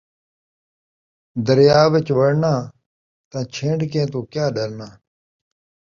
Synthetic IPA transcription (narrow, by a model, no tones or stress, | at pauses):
d̪əɾjaːʋɪt͡ʃʋəɽnãː | t̪ãːt͡ʃʰẽːɳɖkẽːt̪õːkjaːɖəɾnaː